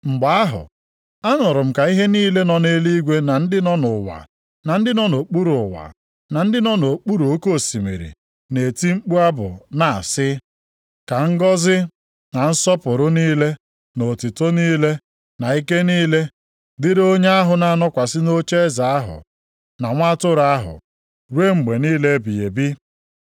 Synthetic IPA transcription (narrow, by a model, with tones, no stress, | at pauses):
ŋ͡m̩˨ɡ͡ba˨˦a˦ɦʊ̰˨ | a˦nʊ˨ɾʊ˨m̩˦ka˨i˦ɦe˦niː˦le˦nɔ˨ne˦li˦ɡʷe˦na˨n̩˦dɪ˦nɔ˦nʊ˨wa̰˨ | na˨n̩˦dɪ˦nɔ˦no˨k͡pu˦ɾʊ˨wa̰˨ | na˨n̩˦dɪ˦nɔ˦no˨k͡pu˦ɾu˨o˦ko˦˨si˨mḛ˨ɾḭ˨ | ne˨ti˦ŋ͡m̩˦k͡pu˦a˦bʊ̰˨na˨sɪ˦ | ka˨ŋ̩˦ɡɔ˦zɪ˦ | na˨n̩˦sɔ˦pʊ˨ɾʊ˦niː˦le˦ | no˨tɪ˨to˦niː˦le˦ | na˨i˦ke˦niː˦le˦ | dɪ˦ɾo˦ɲe˦a˦ɦʊ˨na˨nɔ˦kʷa˨sɪ˦no˦t͡ʃe˦za˨a˦ɦʊ̰˨ | na˨ŋʷa˦tʊ˦ɾa˦ɦʊ̰˨ | ɾwe˦ŋ͡m̩˨ɡ͡be˨niː˦le˦bi˨je˨bi˦